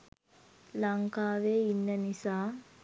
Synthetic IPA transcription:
lɐŋkaːʋeːinːənisaː

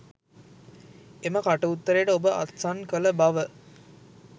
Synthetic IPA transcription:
eməkaʈəut̪ːəɾeːʈəobəʔa̰t̪sankələbaʋə

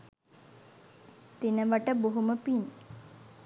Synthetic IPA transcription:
t̪inəʋəʈəboɦuməpin

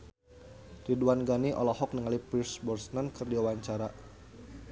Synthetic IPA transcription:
riduanɡaniʔɔ̰lɔhɔk̚nəŋalipirsbɔrsnankərdiawaɲt͡ʃaɾa

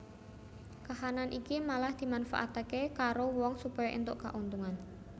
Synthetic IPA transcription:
kaɦananʔikimalahd̪̥i̤manfa̰ʔa̰t̪akekaɾowɔŋsupɔjɔʔḭnt̪oʔka̰ʔunt̪uŋan

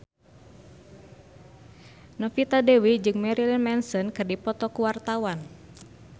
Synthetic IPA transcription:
nɔfit̪adewid͡ʒɨŋmɛɾilinmɛnsɔnkɨrdipɔt̪ɔkuwart̪awan

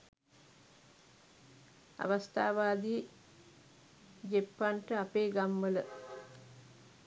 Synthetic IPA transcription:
a̰ʋast̪ʰa̰ːʋaːd̪iː | d͡ʒepːanʈəapeːɡamʋələ

